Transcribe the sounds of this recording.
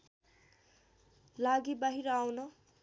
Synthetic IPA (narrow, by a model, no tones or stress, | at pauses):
laɡibaɦiɾʌawnʌ